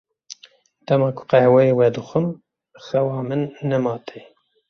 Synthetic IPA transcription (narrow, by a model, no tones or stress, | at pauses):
d̪̥ɛmɑːkʰʊ̥qɛhwɛjeːwɛd̪ɨxɨm | xɛwɑːmɨnːɛmɑːt̪ʰe